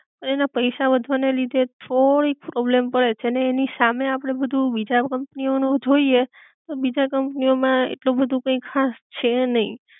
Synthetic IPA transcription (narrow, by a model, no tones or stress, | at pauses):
pəɳenapəjʃaʋəd̪ʱʋanelid̪ʱet̪ʰoɽik̚pɾɔblempəɭet͡ʃʰeneːnisameapəɽ̃ebəd̪ʱubid͡ʒakəmpnionõd͡ʒʱoie | t̪obid͡ʒakəmpniomãḛʈlobəd̪ʱũkə̃ĩkʰast͡ʃʰenəɦḭ̃